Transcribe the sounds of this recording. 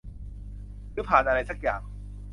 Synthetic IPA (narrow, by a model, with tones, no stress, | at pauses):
ɾɯː˦˥pʰaː˨˩nʔa˧ɾa˧jsa˦˥k̚jaː˨˩ŋ